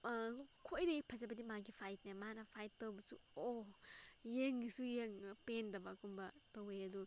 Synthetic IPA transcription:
kʰojɾɐɡipʰɐzabɐdimaɡipʰajt̚namanɐpʰajtːɐwbɐsṵo | jeŋɡisujeŋpendɐbakumbɐtowejɐdu

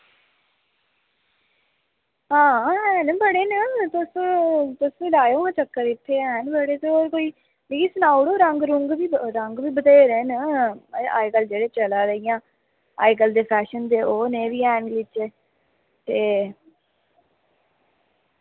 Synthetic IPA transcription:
ɦãːɦɛ̃ːnbəɽeːnət̪ʊst̪ʊslaːjoːãːt͡ʃəkːəɾɪt̪ʰːeːɛnbəɽeːt̪eoːɾkoːiː | biiːsənaːuɽoːɾəŋɡɾʊŋɡʋiːɾəŋɡʋiːbəd̪eːɾeːnə | a̰ːikəld͡ʒeːɽeːt͡ʃəlaːɾəijãː | a̰ːjɡəld̪eːpʰɛːʃənd̪eːoːneːʋiːɛːnlɪt͡ʃe | t̪eː

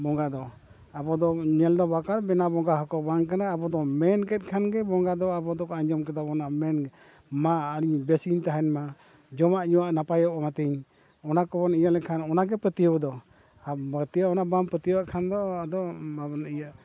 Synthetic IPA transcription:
bɔŋɡad̪ɔ | abɔd̪ɔɲɛld̪ɔbakaɾbɛnabɔŋɡaɦɔkɔbaŋkanaːbɔd̪ɔmɛnkɛt̪̚kʰanɡɛbɔŋɡaʔd̪ɔabɔd̪ɔkɔaɲɔmkɛd̪abɔnaʔmɛnɡɛ | maəɾiɲbɛsint̪aɦɛnma | d͡ʒɔmaʔɲuwaʔnapajɔʔɔmat̪iɲ | ɔnakɔbɔnijalɛkʰanɔnaɡɛpət̪ijəwd̪ɔ | abət̪ijaɔnabaŋpət̪ijəwaʔkʰand̪ɔad̪ɔabɔnijaʔ

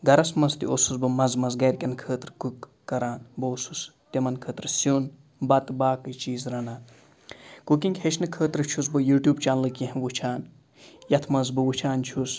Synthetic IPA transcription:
ɡɐɾɐsmɐzt̪ḭosusbɨmɐzmɐzɡɐɾʲkʲɐnkʰəːt̪ɾkukː | ɐɾaːnbosust̪ʲɐmɐnkʰəːt̪ɾɨsun | bɐt̪baːkɨt͡ʃiːzɾɐnaːn | kukĩŋɡʲhet͡ʃʰnɨkʰəːt̪ɾɨt͡ʃʰus̬bɨjuːʈʲjuːbt͡ʃaːnlɨkʲĩɦʋut͡ʃʰaːn | jɐt̪ʰmɐzbɨʋut͡ʃʰaːnt͡ʃʰus

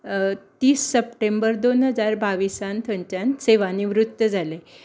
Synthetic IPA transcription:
t̪iːsːəp̚ʈembəɾd̪onɦəd͡zaɾbaʋisant̪ʰənt͡ɕjanseʋaniʋɾut̪ːəd͡zʱale

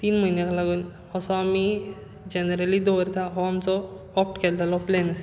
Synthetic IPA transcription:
t̪iːnm̤əinjakʰalaɡun | ɔsɔami | d͡ʑenəɾəlid̪oɾt̪ʰaɦɔamt͡sɔː | p̚ʈkʰellalɔplenas

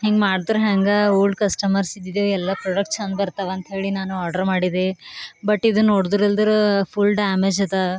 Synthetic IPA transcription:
ɦeŋɡmaːɖd̪ɐɾuɦaːŋɡɐuːɖkɐsʈɐmɐɾsid̪id̪eɛlːɐpɾoɖɐk̚ʈʂɐnbɐɾt̪ɐʋeɐnt̪ɐɦe̞ːɭinaːnuaːɾɖɐɾmaːɽid̪ebɐʈːid̪unnoːɽd̪ɾeld̪ɐɾupʰulɖaːmed͡ʒɐd̪ɐ

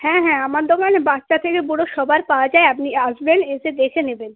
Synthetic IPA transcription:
hɛ̃ɦɛ̃amaɾd̪ʱɔkanebatːʃat̪ʰekebɔɽoʃɔbʱaɾpaoad͡ʑaeapniasbeneʃed̪ekʰeneben

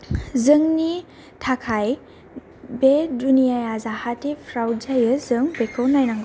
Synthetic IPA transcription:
zɯŋni | tʰakʰaj | bedunijajazahatepʰɾawzajɯzɯŋbekʰɯwnajnaŋɡ

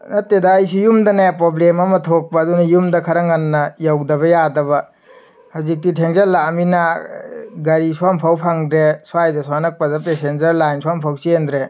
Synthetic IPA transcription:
nɐtːedɐːjsujumdɐnapɾoblemɐmɐtʰok̚pɐːdunɐjumdɐkʰɐɾɐŋɐnːɐjawdɐβɐjadɐβɐ | hazik̚ditʰeŋzɐɾlamina | ɡɐɾiswampʰawpʰaŋdɾeswajdɐswanɐk̚pɐdɐpesenzɐɾlajnswampʰawsiend̪ɾe

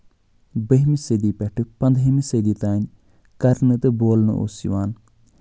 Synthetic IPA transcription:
bəɦmised̪iːpɛʈʰɨpɐnd̪ʱɦemised̪iːt̪aːn | kɐɾnɨt̪eboːlnɨ̰ʔo̰ːsḭʋaːn

